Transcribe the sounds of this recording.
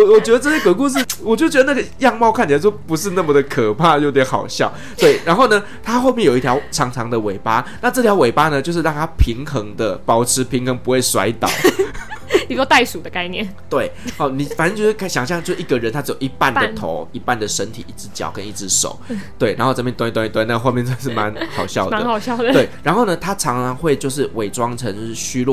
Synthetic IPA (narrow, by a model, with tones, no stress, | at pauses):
ɔ˨wɔ˨˩t͡ɕɥɛ˧˥də˧ʈ͡ʂɤ˥˩ɕjɛ˥kɤ˧˥ku˥˧ʂ̬̩˥˩wɔ˨˩t͡ɕo˥˩t͡ɕɥɛ˧˥d̪ə˧na˥˩ɡə˩jɑ˥˧ŋmɑ˥˧ʊkʰa˥˩nt͡ɕʰə˧˩t͡ɕpu˧˥ʂ̬ɻ̩˥˧na˥˩mə˨d̪ə˩kʰə˨˩pʰa˥˧jo˥˩ʊt̪jɛ˧˥nxɑ̰˨˩ʊɕjɑ˥˩ʊ | t̪we˥˩ɪɻa˧˦nxo˥˩ʊnə˩ | t̪ʰa˥xo˥˧mɛ˥˩jo˨˩i˥t̪ʰjʲɑ˧ʊʈ͡ʂʰɑ˧˥ŋʈ͡ʂʰɑ˧˥ŋd̪ə˨we˨˩ɪpa˥na˥˧ʈ͡ʂɤ˥˩t̪ʰjɑ˧˥ʊwe˨˩ɪpa˥nə˧t͡ɕjo˥˧ʊʂ̬̩˥˧ɑ˥˧ŋt̪ʰa˥pʰi˧˥ŋxə˧˥ŋd̪ə˧˨pɑ˨˩ʊʈ͡ʂʰɻ̩˧˥pʰi˧˥ŋxə˧˥ŋpu˧˥xwe˥˩ɪswa̰˧˥ɪt̪ɑ̰˨˩˦ʊ | ni˨˩swo˥t̪a˥˩ɪsu˨˩d̪ə˩ka˥˧ɪnjɛ˥˨nt̪we˥˩ɪɑ˧˥˩ni˨˩fa˨˩nə˥˧˩t͡ɕo˥˧ʊʂkʰa˥˩ɕjɑ˨˩ŋɕ̬jɑ˥˧ŋt͡ɕjo˥˧ʂɻ̩˥˨i˥˩ɡə˨ɻə˨˦nt̪ʰa˥t͡sɻ̩˧˥jo˨˩ʊi˧˥pa˥˨ndə˨t̪ʰo̰˨˧˦ʊi˦˥pa˥˩nd̪ə˩ʂə˦nt̪ʰḭ˨˩i˥˩t͡sɻ̩˦˥t͡ɕjɑ̰˨˩ʊkə˦ni˥˩t͡sɻ̩˧˥ʂo̰˨˦ʊt̪we˥˩ɪɻa̰˨˦nxo˥˧ʊt͡sa˥˧pjɛ˥˧nt̪wn˥˩wa˥ni˥˩t̪wa˥˧na˥˧xo˥˧ʊmjɛ˥˧nt͡sʰa˥˧ʂ̬ɻ̩˥˩ma˧˦nxɑ˨˩ʊɕjɑ˥˩ʊma˦ə˦nɑ˨˩ʊɕjɑ˥˩ʊd̪əwe˩ɪɻa˧˦nxo˥˩ʊnə˨t̪ʰa˥ʈ͡ʂʰɑ˧˦ŋʈ͡ʂʰɑ˧˦ŋxwe˥˧ɪt͡ɕjo˥˧ʊʂ̬ɻ̩˥˩wʔe˨˩ɪʈ͡ʂwɑ˦ŋʈ͡ʂʰə˧˦ŋ̩˥˧ɕy˥lw